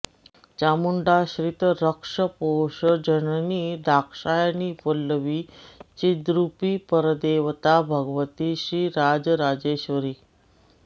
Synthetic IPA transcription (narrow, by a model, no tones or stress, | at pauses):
t͡ɕamuɳɖaɕɾit̪əɾəkʂəpoɕəd͡ʑənəniːd̪ʱakʂajaniːpəlːəʋiːt͡ɕid̪ɾupiːpəɾd̪eʋt̪abʱəɡʋət̪iɕiːɾad͡zɾad͡ʑeɕʋəɾiː